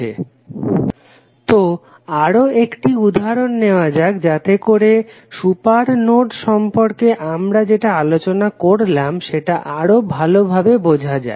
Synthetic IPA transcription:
ḛ | t̪o | aɾoekʈiud̪ʱaɾonːeoad͡ʑaɡd͡ʑat̪ekoɾe | ʃupaɾnoʈʃɔmpoɾkeʔamɾad͡ʑeʈaalot͡ɕonakoɾlamʃeʈaʔaɾobʱalobʱabebod͡ʑʱad͡ʑa̰e

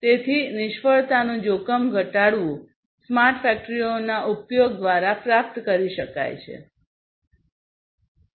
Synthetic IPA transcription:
t̪et̪ʰinɪʃfəɭt̪anũd͡ʒokəmɡʱəʈaɽʋũ | smaɾʈfɛk̚ʈɾionaʔupjoɡ̚d̪ʋaɾapɾap̚t̪kəɾiʃəka̰jt͡ʃʰḛ

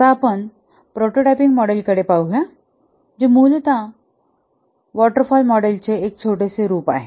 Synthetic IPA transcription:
t̪aːpəɳ | pɾoʈoʈapiŋɡmɔɽelkəɽepauɦja | d͡ʑimuːlt̪ã | ʋɔʈəɾfɔlmɔɽelt͡seek̚t͡sʰoʈeseɾuːpa̰ɦe

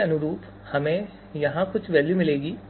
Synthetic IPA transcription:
ɐnʊɾuːp | hɐmẽ | jɐɦãkʊt͡ʃʰʋɛːljumɪleːɡiː

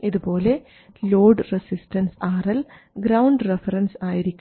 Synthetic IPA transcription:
iðubo̞ːle̞ | loːɖresisʈɐnsaːrɐl | ɡɾɐwɳɖrefɐɾɐnsaːjiɾikʲː

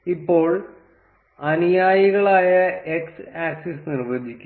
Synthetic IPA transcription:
ipːo̞ːɭ | ɐnijaːjiɣɐɭaːjɐeksaːksisnirʋɐd̪ʱikʲːu

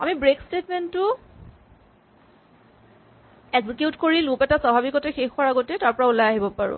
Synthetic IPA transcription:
a̰mibɹekstetmentʊ | ɛɡzikeʊtkoɹilũpɛtasabʱabikɔtɛxexʊaɹaɡɔtɛtaɹpɔɹaulajaɦibɔpaɹʊ̰̃

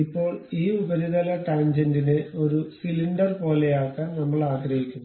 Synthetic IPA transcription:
ipːo̞ːɭiːubɐɾiðɐlɐʈaːɲd͡ʑendineoɾusiliɳɖɐrpo̞ːlejaːkːɐnnɐmːɐɭaːɡɾɐɦikʲːunːɐ

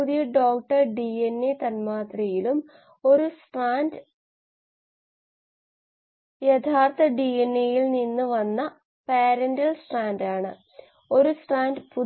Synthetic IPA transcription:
uðijɐɖo̞ːkʈːɐrɖienːet̪ɐnmaːt̪rɐjilum | o̞ɾusʈaːnd | jet̪ʰaːrt̪ɐɖienːejilninːuʋɐnːɐ | peːɾɐndɐlsʈaːndaːɳɨ̰ | o̞ɾusʈraːndpu

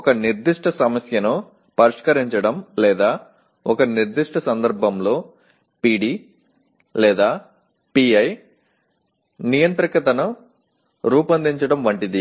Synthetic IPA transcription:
ɔkɐniɾd̪iʂʈɐsɐmɐsjɐnu | pɐɾiʂkɐɾiɲt͡ʃɐɽɐmlɛːd̪aː | ɔkɐniɾd̪iʂʈɐsɐnd̪ɐɾbʱɐmlo̞ː | piːɽiː | lɛːd̪aː | piːɐj | nijɐnt̪ɾikɐt̪ɐnu | ɾuːpɐnd̪iɲt͡ʃɐɽɐmʋɐɳʈid̪i

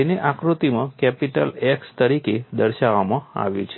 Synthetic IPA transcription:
eneʔakɾut̪imãkɛpiʈə̰lɛkst̪əɾiked̪əɾʃaʋamãa̰ʋjṵt͡ʃʰe

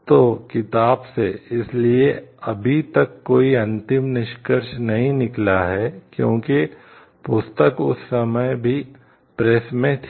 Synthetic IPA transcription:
t̪oːkɪt̪aːbseɪslieɐbʱit̪ɐkːoːiɐ̃nt̪ɪmnɪʃkəɾʃnɐɦĩnɪklaɦɛkjõ̰ːki | pʊst̪əkʊ̰sːɐməjbʱi | pɾɛːsmẽt̪ʰ

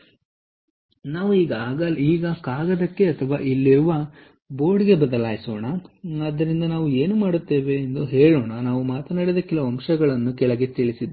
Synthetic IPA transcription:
naːʋuiːɡɐaːɡaiːɡɐkaːɡɐd̪ɐkːe̞ɐt̪ʰɐʋaːʔilːiɾuʋɐ | bo̞ːɾɖɡe̞bɐd̪ɐlaːjisoːɳɐɐd̪ːɐɾind̪ɐnaːʋue̞ːnumaːɽut̪ːe̞ːʋe̞ːnd̪uɦeːɭoːɳɐnaːʋumaːt̪ɐnaːɽid̪ɐkɛlɐɐmʃɐɡɐɭɐnːukɛɭɐɡe̞t̪iɭisid̪ː

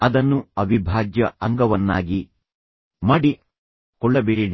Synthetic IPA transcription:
ɐd̪ɐnːuɐʋibʱaːɡjɐɐŋɡɐʋɐnːa̰ːɡi | maːɽi | kɔɭːɐbiɾin

